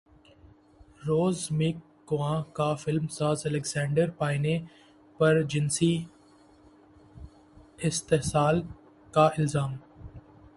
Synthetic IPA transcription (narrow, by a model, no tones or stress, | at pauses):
ɾoːzmɪkːʊʋãːkaːfɪlmsaːzɐlɛkzãːɳɖəɾpaːɪne | pɐɾd͡ʒɪnsi | ɪst̪eɦsaːl | kaɪlzaːm